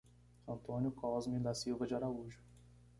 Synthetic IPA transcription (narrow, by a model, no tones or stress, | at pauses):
ɐ̃nt̪õnjʊkɔzmĩd̪asiwvɐd͡ʒɪaɾauʒʊ